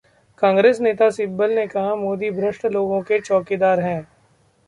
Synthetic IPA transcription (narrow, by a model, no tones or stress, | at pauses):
kãːŋɡɾeːsneːt̪asɪt̪̚bəlnekɐɦamoːd̪ibʱɾəʃʈloːɡõket͡ʃɔːkid̪aːɾɦɛ̃ː